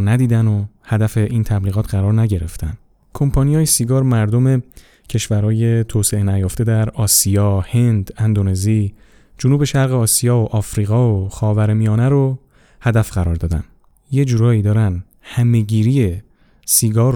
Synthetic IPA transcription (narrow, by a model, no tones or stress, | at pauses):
næd̪iːd̪ænohæd̪æfe̞ʔiːnt̪ʰæbliːɣɒːt̪ʰɢæɾɒːɾnæɟe̞ɾe̞ft̪ʰæ̰n | kʰo̞mpʰɒnijɒːjesiɡɒːɾmæɾd̪o̞me̞ | cʰe̞ʃvæɾhɒːje̞t̪ʰoːse̞enæjoːft̪e̞d̪æɾɒːsijɒːhe̞nd̪ænd̪one̞zi | d͡ʒonuːbe̞ʃæɾɣeɒːsijɒːoʔɒːfɾiːɣɒːoxɒːvæɾmijɒːneɾo | hæd̪æfɢæɾɒːɾd̪ɒːd̪æ̰n | jed͡ʒuːɾɒːiːd̪ɒːɾæn | hæme̞ɟiːɾije | siɡɒːɾ